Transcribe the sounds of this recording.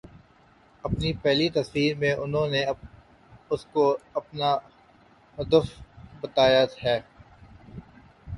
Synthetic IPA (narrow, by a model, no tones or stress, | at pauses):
ɐpnipɛɦlit̪ɐswiːɾmẽʔʊnɦõne | ʊskoɐpna | ɦʊd̪əfbɐt̪aːjaɦɛː